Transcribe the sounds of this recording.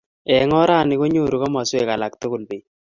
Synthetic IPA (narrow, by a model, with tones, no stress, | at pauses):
ɛ˨ŋɔ˦ɾa˦˨nɪ˨ko˦ɲo˦˨ɾu˨ka˦ma˨sʊ˦ɛ˨ka˨la˨kt̪o˦ko˨lbi˨